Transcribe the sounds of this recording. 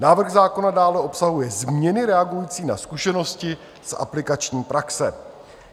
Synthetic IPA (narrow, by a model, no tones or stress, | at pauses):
naːvr̩ɣzaːko̞nadaːlɛʔo̞psaɦujɛzmɲɛnɪɾɛaɡujiːt͡siːna̰skuʃɛno̞scɪ | sʔa̰plɪkat͡ʃɲiːpɾaksɛ